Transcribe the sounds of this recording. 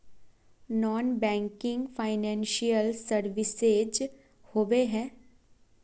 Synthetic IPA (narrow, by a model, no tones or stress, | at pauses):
nɔːnbɛ̃ːŋkɪ̃ŋɡpʰaːɪnɛ̃ːnʃijəlsəɾʋɪsed͡ʒ | hoːʋeɦɛ̃ː